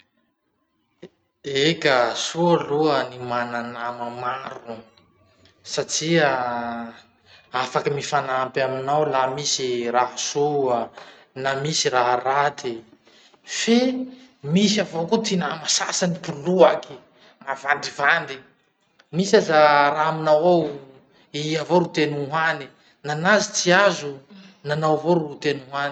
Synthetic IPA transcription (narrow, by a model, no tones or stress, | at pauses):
ekasualuənimananamamaɾu | saʈ͡ʂiə | afakəmifanampaminawlamisiraɦasoə | namisiraɦrat̪i | femisiavokut̪inamasasanipuluaki | mavand̪ivand̪i | misazaɾaɦaminawaw | iavoɾut̪enuuɦani | nanazit͡siazunanawvoɾut̪enuɦani